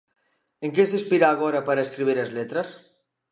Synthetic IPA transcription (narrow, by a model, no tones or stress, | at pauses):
eŋkesespiɾaːɣoɾɐpaɾɐeskɾiβ̞iɾezlet̪ɾɐs